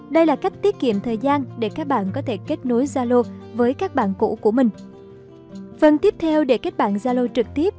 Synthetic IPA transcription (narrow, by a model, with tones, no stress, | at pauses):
ɗə˧jlaː˨˩ka˦˥jk̟̚t̪i˦˥ət̚kḭ˧˨əmt̪ʰəː˨˩jzaː˧nɗe˧˩kaː˦˥k̚ɓa̰ː˧˨nkɔ˨˦t̪ʰe˧˩ke˦˥t̚no˨˦jzaː˧lo˧vəː˨˦jkaː˦˥k̚ɓa̰ː˧˨nkṵ˧˥ku˧˩əmï˨˩ŋ̟ | fə˧nt̪i˦˥əp̚t̪ʰɛ˧wɗe˧˩ke˦˥t̚ɓa̰ː˧˨nzaː˧lo˧t͡ɕɨ˨˩k̚t̪i˦˥əp̚